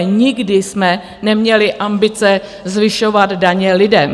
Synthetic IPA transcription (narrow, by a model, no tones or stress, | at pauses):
ɲɪɡdɪsmɛ | nɛmɲɛlɪʔambɪt͡sɛ | zvɪʃovad̪daɲɛlɪdɛm